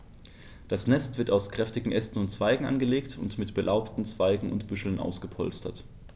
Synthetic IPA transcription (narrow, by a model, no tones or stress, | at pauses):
d̥asnɛstv̥ɪɐtaʊskʁ̥ɛftɪɡŋ̩ʔɛstn̩ʊntt͡sv̥aɪɡŋ̩ʔa̰nɡəleːktʰʊntmɪtb̥əlʔaʊptn̩t͡sv̥aɪɡŋ̩ʊ̰ntb̥ʏʃl̩nʔa̰ʊsɡ̥əpʰɔ̰lstɐ̰t